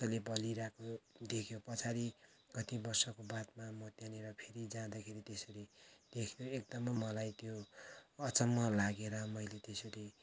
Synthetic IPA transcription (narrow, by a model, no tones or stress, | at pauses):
ʌlebʌliɾakʰod̪ekʰjopʌt͡sʰaɾi | kʌt̪ibʌrsʌkobat̪mamʌt̪janeɾʌpʰeɾid͡zãd̪akʰeɾit̪esʌɾid̪̥ekʰjoek̚d̪ʌmʌːʌlajt̪joʌt͡sʌmːʌlaɡeɾʌmʌjlet̪eseɾi